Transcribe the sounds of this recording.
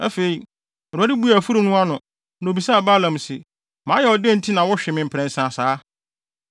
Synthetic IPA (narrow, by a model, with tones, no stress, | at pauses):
æ˦fe˨i˨ | ɛ˨ɾa˦dɪ˦bu˦æ˨fu˦ɾu˨nʊ̃˦a˦nʊ̃˨ | n˨o˨bi˨sa˦˨ba˦lã˨msɪ˨ | mãː˨˦jɛ˨ɔ˨dɪ̃˦˨n̩˦tʰi˦nã˨wɔ˦ɕᶣɛ˨mɪ̃˨m̩˨pʰɾɛ̃˨n̩˨sã˨saː˨˦